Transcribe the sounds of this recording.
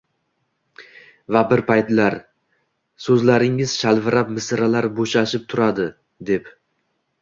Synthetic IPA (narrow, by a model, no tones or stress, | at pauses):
vabɪɾpʰajt̪laɾ | sɵzlaɾɪŋɪzʃalvɪɾap̚mɪsɾalaɾboʃaʃɪp̚t̪ʰʊɾad̪ɪ | d̪ep